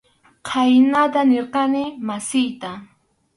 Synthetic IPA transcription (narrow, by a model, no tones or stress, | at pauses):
qʰajnat̪aneɾqɑnɪmasɪjt̪a